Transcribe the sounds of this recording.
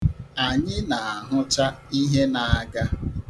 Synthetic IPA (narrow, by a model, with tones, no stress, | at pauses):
a˨ɲɪ˦na˨a˨ɦʊ˦t͡ʃa˦i˦ɦe˦na˨a˨ɡa˦